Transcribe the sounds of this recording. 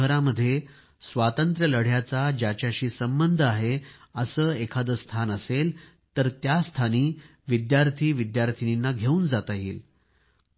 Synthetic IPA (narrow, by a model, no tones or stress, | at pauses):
ɦəɾaməd̪ʱːje | sʋat̪ənt̪ɾjələɽ̤jat͡sad͡ʑjat͡ɕjaɕiːsəmbənd̪ʱəaɦeəsəːekʰad̪əst̪ʰanəsel | t̪əɾt̪jast̪ʰaniː | ʋid̪jaɾt̪ʰiːʋid̪jaɾt̪ʰininːaɡʱeũːnd͡zat̪aɦḭːl